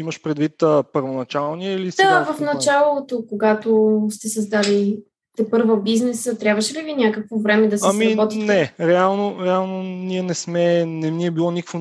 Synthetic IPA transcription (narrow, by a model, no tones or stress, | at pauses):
imɐʃpɾɛd̪vit̪əpəɾvonɐt͡ʃalˠniɛilisd̪avɐfnɐt͡ʃalˠot̪okoɡat̪ost̪ɛsɐzd̪ali | t̪ɛpɤɾvəbiznɛsət̪ɾʲjabvəʃɛlivinʲjakəkvovɾɛmɛd̪ɐsamiɾɐbɔt̪inɛɾɛalˠnoɾɛalˠnoniɛnɛsmɛnɛniɛbilˠɔnikə̥kvo